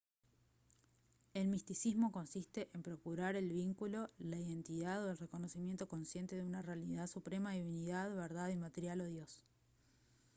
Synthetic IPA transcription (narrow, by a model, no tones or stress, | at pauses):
e̞lmist̪isizmo̞ko̞nsist̪e̞ʔempɾo̞kuɾaɾe̞lβiŋkulo̞laiðe̞nt̪iðaðo̞elre̞ko̞no̞simje̞nt̪o̞ko̞nsje̞nt̪e̞ðeunarealiðaðsupɾe̞maðiβiniðaðβeɾðaðimat̪eɾjalo̞ðjos